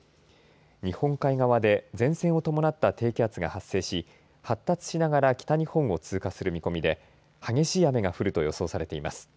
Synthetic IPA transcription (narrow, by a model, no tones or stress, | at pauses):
ɲ̟ihõ̞ŋkaiɡaβad̪e̞d͡zẽ̞ɰ̃sẽ̞ɰ̃o̞t̪o̞mo̞nat̪ːat̪e̞ːkʲiat͡sɨɡa̰hasːe̞ːɕi | hat̪ːat͡sɨ̥ɕinaɡaɾakʲi̥t̪aɲ̟ihõ̞ɰ̃o̞t͡sɨːkasɨɾɯ̟mʲiko̞mʲid̪e̞ | haɡe̞ɕiːjame̞ɡaɸɯ̟ɾɯ̟t̪o̞jo̞so̞ːsaɾe̞t̪e̞imasɨ̥